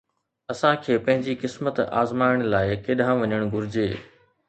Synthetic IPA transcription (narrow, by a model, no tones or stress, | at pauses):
ɐsãkʰeːpɐ̃ɦɪ̃ɲd͡ʑikɪsmət̪a̰ːzmaːɪɽ̃laːɪkeːɗãʋɐɲəɽ̃ɡʱʊɾɪd͡ʑeː